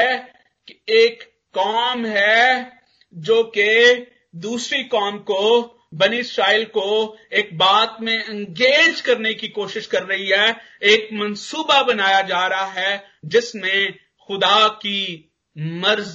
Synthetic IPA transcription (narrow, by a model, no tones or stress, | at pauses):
keːkː | ɔːmɦɛ | d͡ʒoːke | d̪uːsɾikɔːmko | bɐniɪsɾaːɪlkoeːk̚baːt̪mẽɪ̃ŋɡeːd͡ʒkɐɾnekikoːʃɪʃkɐɾːɐɦiɦɛː | eːkmɐnsuːbabɐnaːjad͡ʒaːɾɐɦaɦɛ | d͡ʒɪsmẽ | xʊd̪aki | mɐɾz